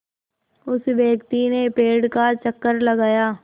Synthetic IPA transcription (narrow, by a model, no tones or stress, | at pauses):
ʊsʋjeːkt̪inepeːɽkat͡ʃəkːəɾlɐɡaːjaː